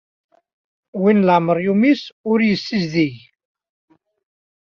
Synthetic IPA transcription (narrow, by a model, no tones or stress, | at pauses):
winləʕməɾˤjumisʊɾjəsːizðij